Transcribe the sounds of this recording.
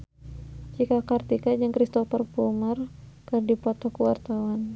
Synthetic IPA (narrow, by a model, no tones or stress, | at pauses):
t͡ʃikakart̪ikad͡ʒəŋkɾist̪ɔfərpumarkərdipɔt̪ɔkuwart̪awan